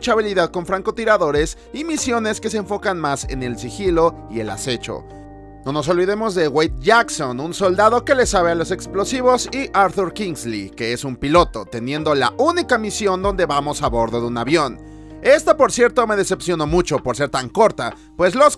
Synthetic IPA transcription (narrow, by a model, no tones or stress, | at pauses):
t͡ʃaβ̞iliðaðko̞ɱfɾaŋko̞t̪iɾaðo̞ɾe̞s | imisjo̞ne̞ske̞seːɱfo̞kanmase̞̰ne̞lsixilo̞ | ie̞̰la̰se̞t͡ʃo̰ | no̞no̞s̬o̞lβiðe̞mo̞zðe̞wajt̪̚ʝakso̞nunso̞ld̪að̞o̞ke̞le̞saβealo̞se̞ksplo̞siβo̞siʔaɾθuɾkiŋzlḭke̞esumpilo̞t̪o̞t̪e̞njẽ̞nd̪o̞la̰ʔunikamisjo̞nd̪o̞nd̪e̞βamo̞saβo̞ɾðo̞ðeunaβjo̞n | e̞st̪apo̞ɾsje̞ɾt̪o̞me̞ð̞e̞se̞psjo̞no̞mut͡ʃo̞po̞ɾse̞ɾt̪aŋko̞ɾt̪a | pwe̞zlo̞s